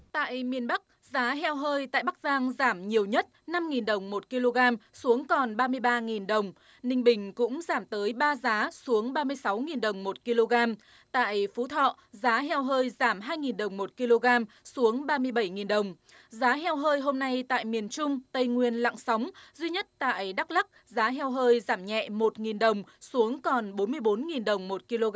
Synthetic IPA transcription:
t̪a̰ː˧˨jmi˨˩ənɓa˦˥k̚ | zaː˨˦ɦɛ˧wɦəː˧jt̪a̰ː˧˨jɓa˦˥k̚zaː˧ŋzaː˧˩mɲi˨˩əwɲə˦˥t̚na˧mŋi˨˩nɗə˨˩wŋ͡mmo˨˩t̚ki˧lo˧ɣaː˧msu˨˦əŋkɔ˨˩nɓaː˧mɨ˧əjɓaː˧ŋi˨˩nɗə˨˩wŋ͡m | nï˧ŋ̟ɓï˨˩ŋ̟kʊ̰˧˥ŋ͡mzaː˧˩mt̪əː˨˦jɓaː˧zaː˨˦su˨˦əŋɓaː˧mɨ˧əjsa˨˦wŋi˨˩nɗə˨˩wŋ͡mmo˨˩t̚ki˧lo˧ɣaː˧m | t̪a̰ː˧˨jfu˨˦t̪ʰɔ̰˧˨ | zaː˨˦ɦɛ˧wɦəː˧jzaː˧˩mɦaː˧jŋi˨˩nɗə˨˩wŋ͡mmo˨˩t̚ki˧lo˧ɣaː˧m | su˨˦əŋɓaː˧mɨ˧əjɓə˧˩jŋi˨˩nɗə˨˩wŋ͡m | zaː˨˦ɦɛ˧wɦəː˧jɦo˧mna˧jt̪a̰ː˧˨jmi˨˩ənt͡ɕʊ˧ŋ͡mt̪ə˧˩jŋwi˨˩ənla̰˧˨ŋsa˨˦wŋ͡mzwi˧ɲə˦˥t̚t̪a̰ː˧˨jɗa˦˥k̚la˦˥k̚ | zaː˨˦ɦɛ˧wɦəː˧jzaː˧˩mɲɛ̰˧˨mo˨˩t̚ŋi˨˩nɗə˨˩wŋ͡msu˨˦əŋkɔ˨˩nɓo˨˦nmɨ˧əjɓo˨˦nŋi˨˩nɗə˨˩wŋ͡mmo˨˩t̚ki˧lo˧ɣ

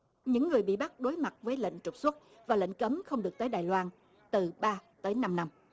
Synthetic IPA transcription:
ɲɨ̰˧˥ŋːɨ˨˩əjɓḭ˧˨ɓa˦˥t̚ɗo˨˦jma˨˩t̚vəː˨˦jlḛ˧˨ŋ̟t͡ɕʊ˨˩k͡p̚swə˦˥t̚ | vaː˨˩lḛ˧˨ŋ̟kə˨˦mxə˧wŋ͡mɗɨ˨˩ək̚t̪əː˨˦jɗaː˨˩jlwaː˧n | t̪ɨ˨˩ɓaː˧t̪əː˨˦jna˧mna˧m

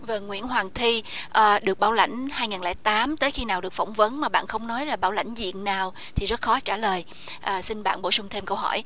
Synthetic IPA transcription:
vəː˨˩ŋwḭ˧˥ənɦwaː˨˩ŋt̪ʰi˧ʔəː˨˩ɗɨ˨˩ək̚ɓaː˧˩wla̰˧˩jŋ̟haː˧jŋaː˨˩nlɛː˧˩t̪aː˨˦mt̪əː˨˦jxi˧naː˨˩wɗɨ˨˩ək̚fə˧˩wŋ͡mvə˨˦nmaː˨˩ɓa̰ː˧˨nxə˧wŋ͡mnɔ˨˦jlaː˨˩ɓaː˧˩wla̰˧˥jŋ̟zḭ˧˨ənnaː˨˩w | t̪ʰi˨˩zə˦˥t̚xɔ˨˦t͡ɕaː˧˩ləː˨˩j | ʔəː˨˩sï˧nɓa̰ː˧˨nɓo̰˧˩sʊ˧ŋ͡mt̪ʰe˧mkə˧wɦɔ̰˧˩j

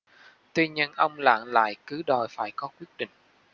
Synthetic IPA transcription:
t̪wi˧ɲə˧nʔə˧wŋ͡mla̰ː˧˨nla̰ː˧˨jkɨ˨˦ɗɔ˨˩jfaː˧˩jkɔ˨˦kwi˦˥ət̚ɗḭ̈˧˨ŋ̟

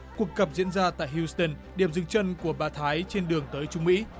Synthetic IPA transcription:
ku˨˩əkːə˨˩p̚zḭ˧˥ənzaː˧t̪a̰ː˧˨jɦji˧st̪ə˧˩nɗi˧˩əmzɨ˧˦ŋt͡ɕə˧nku˧˩əɓaː˧˩t̪ʰaː˨˦jt͡ɕe˧nɗɨ˨˩əŋt̪əː˨˦jt͡ɕʊ˨˦ŋ͡mmḭ˧˥

